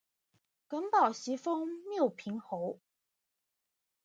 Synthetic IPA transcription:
kə˧˥npɑ˨˩ʊɕi˧˥fɤ˥ŋmjo˥˩ʊpʰi˧˥ŋxo˧˥˦ʊ

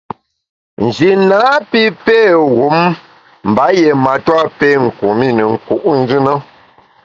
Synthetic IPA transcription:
n̩˨d͡ʒi˨na˨˦pi˦pe˦˨ɣu˨˦m | m̩˨ba˨˦je˨ma˨twa˦pe˦ŋ̩˨ku˨mi˦˨nə˨ŋ̩˨ku˦˨ʔn̩˦d͡ʒɨ˦nə˦

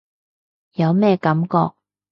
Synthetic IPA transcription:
jɐ˨˧wmɛː˥kɐ˨˥mkɔː˧k̚

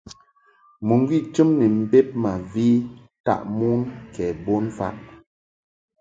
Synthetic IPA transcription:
mu˨ŋ˦ɡwi˦˨t͡ʃɨ˦mni˨m̩˦˨be˦p̚ma˨vi˦ | ta̰˦˨ʔmu˦nkɛ˨bo˦nfa̰˦ʔ

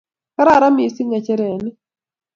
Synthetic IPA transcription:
ka˦ɾa˦˨ɾa˦mi˨˦si˦ŋa˨t͡ʃɛ˦ɾɛ˨nɪ˦

